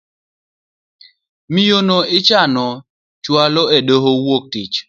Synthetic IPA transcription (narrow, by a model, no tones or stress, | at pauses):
mijonoɪt͡ʃanɔ | t͡ʃwalɔedoɦowok̚tit͡ʃ